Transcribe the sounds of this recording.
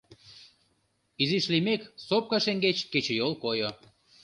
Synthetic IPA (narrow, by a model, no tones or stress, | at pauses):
iziʃlimeksop̚kɑʃeŋɡet͡ɕket͡ɕejolkojo